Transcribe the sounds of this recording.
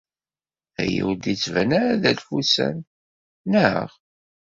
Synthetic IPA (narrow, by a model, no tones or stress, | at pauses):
æ̰jḭwd̪it͡sːvænæɾæðælfusæ̰n | nə̰ʁ